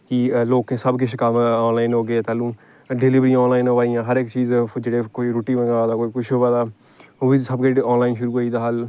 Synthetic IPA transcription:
kiloːkẽːsəbkɪʃʰkəmɔːnlaːɪnɦoːɡeeːt̪aːlũː | ɖeːliʋɾiãɔːnlaːɪnɦoːʋaːijãːɦəɾɪkt͡ʃiːzd͡ʒeːɽeːkoiɾuːʈiːʋə̃ɡaaːd̪aːkoikʊʃʰoːʋaːd̪aː | isəbkeɔːnlaːɪnʃʊɾuːɦoːiːd̪aːɦəl

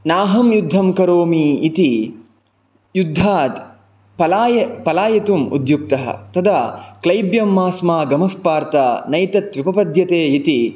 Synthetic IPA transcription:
naːɦɐmjud̪ʱːɐmkɐɾoːmiːt̪i | jud̪ʱːaːt̪ | pɐlaːjɐpɐlaːjɐt̪umṵd̪juk̚t̪ɐɦɐ̰t̪ɐd̪aklɐjbjɐmːaːsmaːɡɐmɐfpaːɾt̪ɐnɐjt̪ɐt̪ʋipɐpɐd̪ʱjɐt̪eːit̪i

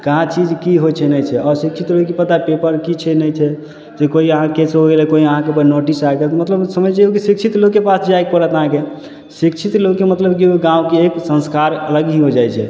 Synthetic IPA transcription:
kəɦãt͡ʃid͡ʒkiɦot͡ʃʰɛnəjt͡ʃʰɛɔɾsik̚t͡ʃʰit̪loɡkepət̪apepəɾkit͡ʃʰɛnəjt͡ʃʰɛ | d͡ʒekoiəɦãkeseɦoɡelɛkoiəɦãkepənoʈisaɡet̪mət̪ləbsəməjt͡ʃʰeokisik̚t͡ʃʰit̪lokkepasd͡ʒaekpəɾət̪əɦãke | sikt͡ʃʰit̪lokːemət̪ləbkioɡãwkeeksə̃nskaɾələɡɦĩɦod͡ʒajt͡ʃʰɛ̰

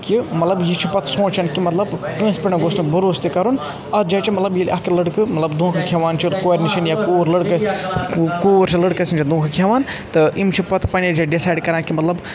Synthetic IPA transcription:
kimɐt̪lɐbjit͡ʃʰipɐt̪ʰsõːt͡ʃɐnkimɐt̪lɐbpə̃ːspiɳɐɡoːstɨkbɐɾoːst̪ikɐɾun | ɐd͡ʒaːt͡ʃʰimɐt̪lɐbjilʲʔɐkilɐɽkɨmɐt̪lɐbd̪ʱũːkʰɨkʰeʋaːnt͡ʃʰilkoːɾniʃinjaːkoːɾlɐɽkɨ | koːɾt͡ʃʰilɐɽkɐsint͡ʃʰid̪õːkʰkʰeʋaːnt̪ɨimt͡ʃʰipɐt̪ʰpɐned͡ʒaɖisaːjɖkɐɾãːnkimɐt̪lɐb

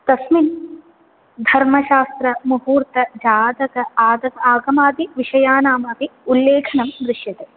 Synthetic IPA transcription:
t̪ɐsmin | d̪ʱɐɾmɐʃaːst̪ɾɐmuɦuːɾt̪ɐd͡ʒaːd̪ɐkɐaːd̪ɐkɐaːɡɐmaːt̪iʋiʂɐjaːnaːmaːp̪iulːeːkʰɐnɐmd̪ɾɪʂjɐt̪e

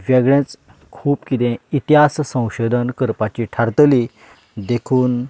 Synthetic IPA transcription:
ʋjɛɡɭẽt͡s | kʰuːpkit̪ẽit̪iɦassə̃w̃ɕod̪ʱənkəɾpat͡ɕiʈʰaɾt̪əli | d̪ekʰuːn

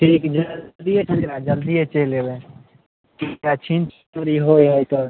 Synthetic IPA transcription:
ʈʰikd͡ʒəd̪ijet͡ʃʰəleɾad͡ʒəld̪iet͡ʃelebe | kiat͡ʃʰint͡ʃ | t̪əɾiɦojɦəjt̪ɔ

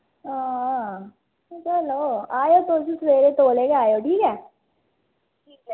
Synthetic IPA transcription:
ɦãː | t͡ʃɐloːaːjot̪oːʃ̬isɾeːɾet̪oːlekeaːjoʈʰiːkɛː | ʈʰiːk

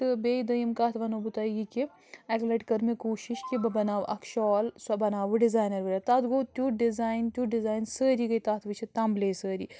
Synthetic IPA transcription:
t̪ɨbeːid̪ɐjimkaːt̪ʰʋɐnobut̪aːiɡiki | ɐklɐʈkɐɾmekoːʃiʃkibɐbɐnaːʋʔɐkʰʃɔːlsɐbɐnaːʋɨɖizaːjnɐɾʋiɾat̪at̪ɡoːt̪ʲuɖizaːjnt̪ʲjuɖizaːjnsəːɾiɡɐjt̪aːt̪ʰʋɨt͡ʃʰit̪ɐmbleːsəːɾiː

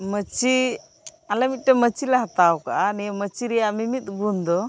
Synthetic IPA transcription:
mət͡ʃi | alɛmit̪̚ʈɛmət͡ʃilɛɦat̪awkaʔanijəmət͡ʃiɾɛjaʔmimit̪̚ɡund̪ɔ

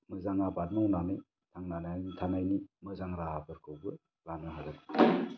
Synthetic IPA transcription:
mɯzaŋabad̚mɔwnanɯj | tʰaŋnananitʰanajnimɯzaŋɾaabɯɾkʰɯwbɯ | ɾanɯɦadan

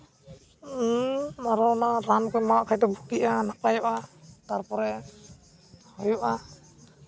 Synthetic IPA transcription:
aɾɔnaɾankɔjmawaʔkʰajt̪ɔbʱukiʔanapajɔʔat̪aɾpɔɾɛ | hɔjɔʔa

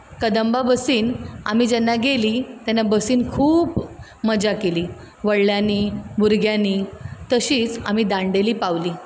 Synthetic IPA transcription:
kəd̪əmbabəsiːna̰mid͡ʑɛnːaɡeliːt̪janːabəsiːnkʰuːp | məd͡ʑakeliː | ʋəɽljaniːbuɾɡjaniːt̪əɕiːt͡sam̤iːd̪ãɳɖeliːpaʋliː

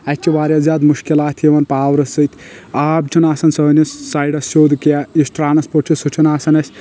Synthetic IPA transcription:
ɛt͡ʃʰiʋaːɾjɐzʲaːd̪muʃkilaːt̪ʰeʋɐnpaːwɾɐsɨt̪ʲʰaːbt͡ʃʰunaːsɐnsɐnʲissaːjɖɐsoːd̪kjaisʈɾaːnɐspot͡ʃʰisut͡ʃʰunaːsɐnɐsʲ

